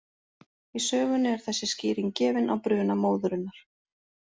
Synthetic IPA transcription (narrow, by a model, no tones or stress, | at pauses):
isœːɣʏnʏɛɾ̥θɛsːɪsciːɾiŋcɛːvɪna̰wpɾʏːnamoːwðʏɾʏnːaɾ̥